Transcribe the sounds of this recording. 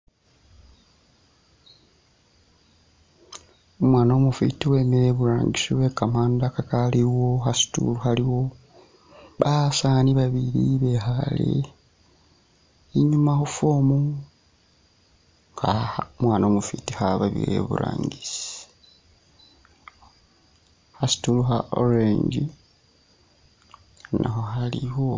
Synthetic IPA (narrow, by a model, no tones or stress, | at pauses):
omwaːnomufḭtiwe̞ːmeɾe̞βuɾaːŋɡisiwe̞kamaːndakakaliwo̞xasi̥tṵluhaliwo | βasaːniβaβiɾiβe̞xalḛ | iɲumaxufomu | kamwaːnomufitihaβaβḭɾḛβṵɾa̰ːŋɡisi̥ | hasi̥tuluxao̰ɾeɲɟi | na̰xo̞xaliho